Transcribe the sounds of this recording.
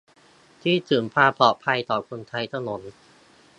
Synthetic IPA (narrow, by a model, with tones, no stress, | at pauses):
t̪ʰiː˥˩t̪ʰɯː˩mpʰaː˧pʰlɔː˨˩pʰa˧jt̪ɔː˨˩kʰo˧nt̪ʰa˧jt̪ʰa˧no˩˦n